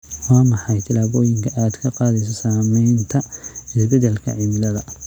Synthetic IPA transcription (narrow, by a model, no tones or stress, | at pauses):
wɑːmɑħɑjt̪ʰɪlaːβɔːjɪŋkʰɐʔaːd̪kʰɐqɑːðɛjsɐsaːmɛjnt̪ʰɐɪsbɛdɛlkʰɐ̰ʕimɪlɐðɐ